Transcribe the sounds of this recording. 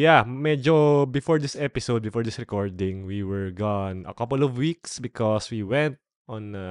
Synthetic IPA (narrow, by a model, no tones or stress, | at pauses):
jamɛd͡ʒobɪfɔɹd̪ɪsʔɛpɪsowd̪̚bɪfɔːɹd̪ɪsɹɛkɔɹd̪ɪ̃ŋwiwɛɹɡɔnɐ̰kɐpɔlɔvwiksbɪkɔswiwɛ̃nt̪̚ | ɔ̃n